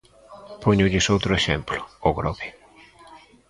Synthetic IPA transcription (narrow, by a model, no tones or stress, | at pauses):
pʰoɲʊʎɪsowt̪ɾʊeʃɛmplʊ̥oɣɾɔβe